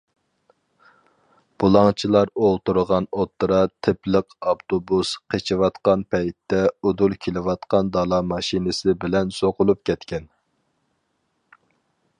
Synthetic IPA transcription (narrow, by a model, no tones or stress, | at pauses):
b̥ulˠɑŋt͡ʃʰilˠɑɾolˠt̪uɾəʁɑnot̪ʰːɾɑt̪ʰɪpləqʰɑpt̪obusqʰet͡ʃʰiwɑt̪qɑnpʰɛjt̪ːɛud̪ulˠkʲʰelɪwɑt̪qɑnd̪ɑlˠɑmɑʃinɨsɪbɪlɛnsoqʊlˠup̚kʲɛt̪kʲɛn